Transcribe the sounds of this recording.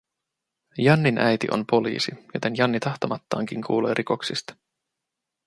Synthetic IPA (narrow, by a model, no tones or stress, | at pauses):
jɑnːinʔæjt̪ḭʔo̞̰mpo̞lḭːsijo̞t̪e̞njɑnːit̪ɑxt̪omɑt̪ːɑ̰ːŋk̟iŋkʰuːleːɾiko̞ksist̪ɑ̥